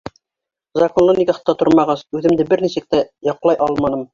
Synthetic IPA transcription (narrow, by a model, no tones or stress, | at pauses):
zɑkonlˠɤnikæχɤ̥̆t̪ːɑt̪oɾmɑʁɑsʉðɘ̆md̪ɘbɘɾnisɘ̆k̚t̪æjɑqlˠɑjʔɑlˠmɑnɤm